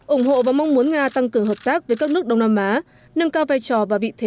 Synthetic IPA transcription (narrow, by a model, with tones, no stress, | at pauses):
ʔʊ˧˩ŋ͡mɦo̰˧˨vaː˨˩ma˧wŋ͡mmu˨˦ənŋaː˧t̪a˧ŋkɨ˧˩əŋɦə˨˩p̚t̪aː˦˥k̚vəː˨˦kaː˦˥k̚nɨ˦˥ək̚ɗə˧wŋ͡mnaː˧mʔaː˨˦ | nə˧nkaː˧wvaː˧jt͡ɕɔ˧˩vaː˨˩vḭ˧˨t̪ʰe˨˦